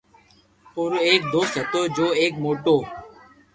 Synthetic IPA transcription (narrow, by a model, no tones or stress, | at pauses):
poːɾoeːk̚d̪oːst̪ɦət̪oːd͡ʒoːeːk̚moːʈoː